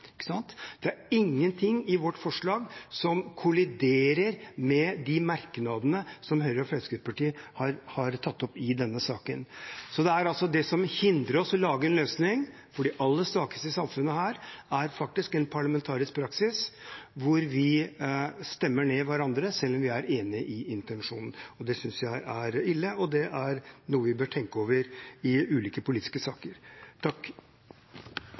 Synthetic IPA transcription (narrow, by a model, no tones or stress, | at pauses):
ɪkːə̥sɑnt̪d̪̥ɛæɾɪŋːənt̪ʰɪŋːɪʋɔʈːfɔʂɭɑːɡsɔmkʰʊlɪd̪eːɾəɾmɛd̪ɪmɑɾknɑd̪ənəsɔmɦœʏəɾɔfɛlsɡʉpʰɑʈiːhɑɾhɑɾt̪ʰɑt̪ːɔpɪd̪ɛnːəsɑːkənsɔd̪ɛæɾɑlsɔd̪ɛsɔmhɪnd̪ɾəɔsɔlɑːɡəɾɛnløːsnɪŋ | fɔɖiːʔɑlːəst̪ɑːkə̥st̪əsɑmfʉnːəhæːɾæɾfɑk̚t̪ɪskɛnpʰɑɭɑmɛnt̪ʰɑːɾɪsk̚pʰɾɑksɪsʋʊɾʋɪ | st̪ɛmːəɳeːʋæɾɑnd̪ɾəsɛlːɔmʋɪæɾeːnɪəʔɪɪnt̪ɛnʂuːnn̩ɔd̪ɛsʏnsjæɪʔæɾɪlːəɔd̪ɛʔæɾnuːəʋɪbøːʈʰɛŋkəoːʋəɾɪʉːliːkəpʰʊliːt̪ɪ̥skəsɑːkəɾʈ̪ʰɑkː